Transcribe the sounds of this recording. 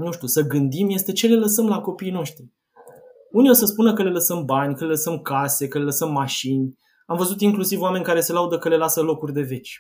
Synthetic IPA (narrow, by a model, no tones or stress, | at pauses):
nuʃt̪ʲjusəɡɨnd̪imje̞st̪e̞t͡ʃe̞le̞ləsəmlako̞piːjno̞ʃt̪ɾi | uniosəspunəkəle̞ləsəmbanʲkəleləsəmkase̞kəle̞ləsəmːaʃinʲ | amvəzut̪iŋklusivoame̞nʲkaɾe̞se̞laud̪əkəle̞lasəlo̞kurʲd̪e̞ve̞t͡ʃʲ